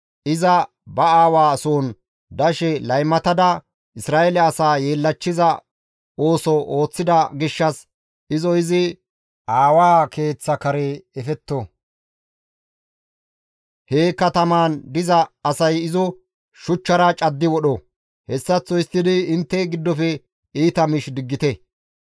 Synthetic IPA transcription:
ʔɪzɐ | bɐaːwaːsoːn | d̪ɐʃɛlɐjmɐt̪ɐd̪ɐ | ʔɪsɾaːʔɛlɛɐsaːjeːlːɐt͡ʃːɪzɐ | o̞ːsɔʔo̞ːt͡sːɪd̪ɐɡɪʃːɐs | ɪzɔɪzɪ | ʔaːwaːkʰe̞ːt͡sːɐkɐɾeɛfɛt̪ːɔ | heːkːɐt̪ɐmaːnd̪ɪzɐːsɐjɪzɔ | ʃʊt͡ʃːɐɾɐt͡ʃʼɐd̪ːɪwɔɗɔ | hɛsːɐt͡sːɔjɪst̪ːɪd̪ɪɪnt̪ːɛɡɪd̪ːɔfɛ | iːt̪ɐmɪʃd̪ɪɡːɪt̪ɛ

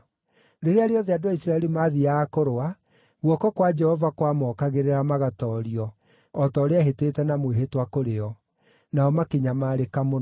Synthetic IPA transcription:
ɾeɾeaɾeɔðeadoaisɾaɛɾimaːðiaːkoɾoa | ɣwɔkɔkwad͡ʒɛhɔvakwamɔːkaɣeɾeɾamaɣatɔːɾiɔː | tɔːɾeaɦeteːtɛnamweɦetwakoɾeɔ | naɔmakeɲamaɾekamo

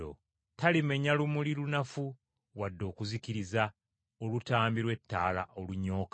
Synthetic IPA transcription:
o̰ | talime̞ɲalumulilunafu | wadːo̞ːkuzikiɾiza | olutaːmbiɾwe̞tːaːla̰ʔo̞luɲːo̞ːka

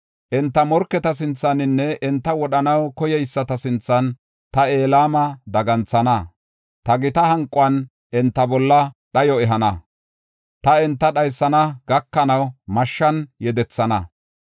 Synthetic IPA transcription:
ʔɛnt̪ːɐmɔɾkːɛt̪ɐs̬ɪnt͡sːɐnɪnːɛʔɛnt̪ːɐwɔɗɐnɐwkɔjɛjɪsːɐt̪ɐsɪnt͡sːɐn | t̪ɐe̞ːlaːmɐd̪ɐɡɐnt͡sːɐnɐ | t̪ɐɡɪt̪ɐɦɐŋkʼːʊɐn | ʔɛnt̪ːɐbɔlːɐɗɐjɔɛɦɐnɐ | t̪ɐɛnt̪ːɐɗɐjsːɐnɐɡ̥ɐkːɐnɐwmɐʃːɐnjɛd̪ɛt͡sːɐnɐ

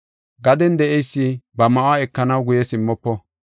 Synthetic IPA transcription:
ɡɐd̪ɛnd̪ɛʔɛjsːɪbɐmɐʔwaɛkːɐnɐwɡʊjɛsɪmːɔpːɔ

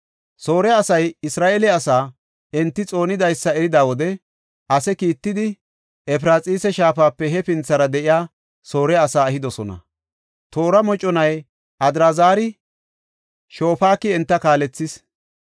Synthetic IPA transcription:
so̞ːɾɛɐsɐjɪsɾaːʔeːlɛɐsaː | ɪnt̪ːɪt͡sʼo̞ːnɪd̪ɐjsːɐɛɾɪd̪aːwɔd̪ɛ | ɐsɛkiːt̪ːɪd̪ɪ | ɛpɾaːt͡sʼiːsɛʃaːfaːpːɛɦɛpɪnt͡sːɐɾɐd̪ɛʔɪjaː | so̞ːɾɛɐsaːɐhɪd̪ɔsɔnɐ̰ | t̪oːɾɐmɔt͡ʃʼːɔnɐj | ʔɐd̪ɾazaːɾɪ | ʃo̞ːfaːkːɪɛnt̪ːɐkaːlɛt͡sːɪs

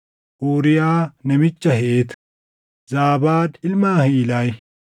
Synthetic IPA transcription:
ʔuːɾɪjaːnɛmɪt͡ʃːɐhɛʔeːt̪ | zaːbaːd̪ɪlmaːhiːlɐj

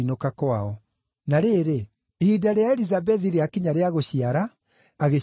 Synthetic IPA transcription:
inokakwaɔ | naɾeɾeː | hidaɾeaɛɾizabɛðiɾeakiɲaɾeaɣoɕiaɾaː | ɣe

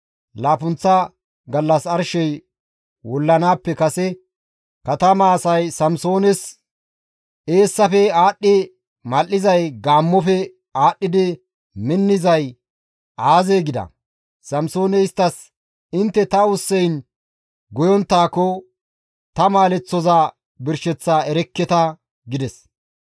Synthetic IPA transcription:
laːpʊnt͡sːɐ | ɡɐlːɐsɐɾʃɛj | wɔlːɐnaːpːɛkɐsɛ | kɐt̪ɐmaːsɐjsɐmso̞ːnɛs | ʔe̞ːsːɐfɛaːɗːɪ | mɐlːɪzɐjɡaːmːɔfɛ | aːɗːɪd̪ɪ | mɪnːɪzɐj | aːzeːɡɪd̪ɐ̰ | sɐmso̞ːnɛɪst̪ːɐs | ɪnt̪ːɛt̪ɐʊsːɛjn | ɡɔjɔnt̪ːaːkɔ | t̪ɐmaːlɛt͡sːɔzaː | bɪɾʃɛt͡sːaːɛɾɛkːɛt̪ɐ | ɡɪd̪ɛs

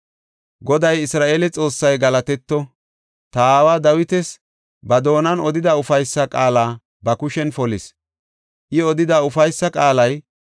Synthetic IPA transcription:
ɡɔd̪ɐjɪsɾaːʔeːlɛt͡sʼo̞ːsːɐjɡɐlɐt̪ɛt̪ːɔ | t̪aːwaːd̪ɐwɪt̪ɛs | bɐd̪o̞ːnɐnɔd̪ɪd̪ɐʊfɐjsːɐkʼaːlaː | bɐkʊʃɛnfɔlɪs | ʔɪɔd̪ɪd̪aʊfɐjsːɐkʼaːlɐj

